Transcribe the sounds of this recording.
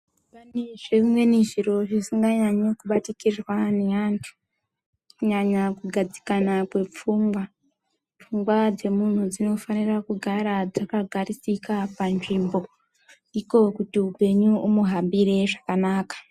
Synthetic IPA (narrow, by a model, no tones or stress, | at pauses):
paneʐeimwe̞niʐiɾo̞ʐisiŋɡaɲaɲokuɓatikirwaneantʰu̥ | kuɲaɲakuɡʱad͡zi̥kanakwe̞p͡fuːmɡwa | p͡fuŋɡwad͡ze̞mun̤ud͡zino̞fanirakuɡʱaɾad͡zakaɡʱaɾisikapanʐiːmbo̞ | iko̞kutiupe̞ɲuʔumuɦambiɾe̞ʐakanaːkḁ